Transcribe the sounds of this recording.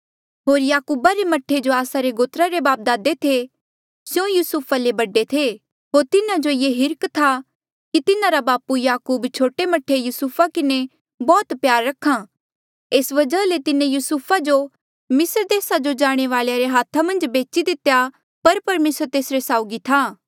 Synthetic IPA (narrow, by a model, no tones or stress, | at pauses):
ɦoːɾjaːkuːbaɾemɐʈʰːed͡ʒoaːsaɾeɡoːt̪ɾaɾebaːp̚d̪aːd̪et̪ʰe | sjõjuːsupʰalebɐɖet̪ʰe | ɦoːɾt̪ɪnãd͡ʒojeːɦɪɾkt̪ʰa | kit̪ɪnãɾabaːpujaːkuːbt͡ʃʰoːʈemɐʈʰːejuːsupʰakɪne | bɔːt̪pjaːɾːɐkʰa | eːsʋɐd͡ʒəlet̪ɪnẽjuːsupʰad͡ʒo | mɪsəɾd̪eːsad͡ʒod͡ʒaːɽ̃eʋaːɭjaɾeɦaːt̪ʰːamɐ̃nd͡ʒbeːt͡ʃid̪ɪt̪ːeja | pɐɾpɐɾmeːsəɾt̪eːsɾesaːʊɡit̪ʰaː